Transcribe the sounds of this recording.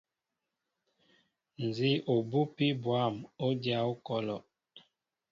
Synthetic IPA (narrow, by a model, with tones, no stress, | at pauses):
n˨zi˦o˨bu˦pi˦bwa˦˨mo˦dja˦o˦kɔ˦lɔ˨